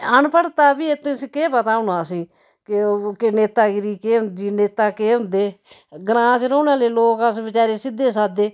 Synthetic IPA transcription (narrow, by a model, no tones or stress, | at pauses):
ənpəɽt̪aːpiːet̪ːẽskeːpət̪aːʊnaːsĩː | kɪkɪneːt̪aːɡɪɾiːkeːɦʊnd̪iːneːt̪aːkeːɦʊ̃nd̪eː | ɡɾãːt͡ʃɾoːnãːleːloːkəsʋɪt͡ʃaːɾeːsɪd̪ːeːsaːd̪eː